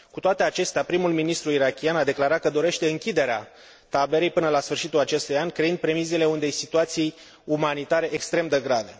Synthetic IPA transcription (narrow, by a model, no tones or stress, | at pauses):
kut̪oat̪e̞at͡ʃe̞st̪eapɾimulminist̪ɾuiɾakʲianad̪e̞klaɾat̪̚kəd̪o̞ɾe̞ʃt̪e̞ɨŋkʲid̪e̞ɾea | t̪abe̞ɾejpɨnəlasfɨrʃit̪ulat͡ʃe̞st̪ujanʲkɾeind̪̚pɾe̞mizele̞und̪ejsit̪uat̪sij | umanit̪aɾe̞ʔekst̪ɾe̞md̪əɡɾave